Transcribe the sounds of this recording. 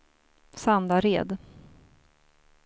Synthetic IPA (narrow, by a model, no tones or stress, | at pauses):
sand̪aɾeːd̪